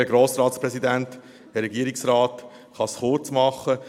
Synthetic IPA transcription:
ɛɡɾoːsɾɑːtspɾɛsid̪ænt | hɛɾɛɡiəɾiksɾɑːt | χɑsχʊɾt͡smɑχːə

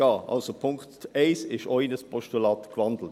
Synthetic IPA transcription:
ɑːʔɑ̰lsopʰʊŋkteɪsɪʃɔɪnəspʰɔʃtulɑːtkvɑndl̩t

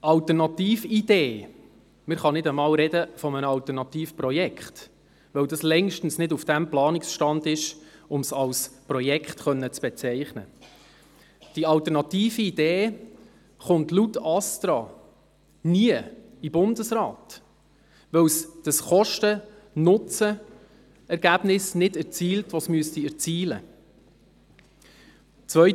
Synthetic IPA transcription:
ʔɑltərnɑt̪iːfideː | mɪɾχɑnɪdəmɑːwɾɛdəfɔmənəɑlt̪ərnɑtiːfprɔjɛkχt | ʋɛwdɑslɛŋʃtn̩snɪdufd̥æmplɑːnɪksʃtɑndɪʃʊmsɑlsprɔjɛkχtχœnːət͡sb̥ɛt͡sɛɪχnə̰ | d̥iɑltɛɾnɑtiːfiid̥eː | χʊntlutɑstɾɑ | niə | ibʊndəsrɑːt | ʋœwsd̥əsχɔʃtə | nʊt͡sə | ɛɾɡ̥æbnɪsnɪdɛɾt͡siːltʋɔsmyəstiɛʁt͡siːlə̰ | t͡sʋœʏ

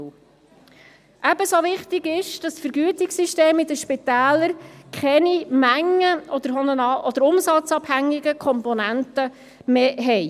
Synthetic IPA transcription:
ʔæbəsoʋɪχtɪɡɪʃd̥ɑssfəɾɡyətɪksyʃteːmɪd̪əʃpɪt̪æːləɾkχɛnimæŋːəʔɔd̪əɾɦɔnənɑʔɔd̪əɾʊmsɑt͡sɑphæŋːɪɡəkʰɔmpɔnæntə | meːɦɛj

